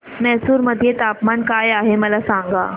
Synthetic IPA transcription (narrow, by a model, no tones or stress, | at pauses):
mɛɦsuːɾməd̪ʱjet̪apmankajaɦeməlasãŋɡa̰